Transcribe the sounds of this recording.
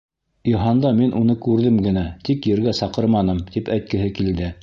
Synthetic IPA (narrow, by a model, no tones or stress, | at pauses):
iɦɑnd̪ɑminʔunɤkʉɾðɘmɡɘ̆næt̪ikjɘ̆ɾɡæsɑqɤɾmɑnɤmt̪ipæjt̪̚kɘ̆ɦɘkild̪ɘ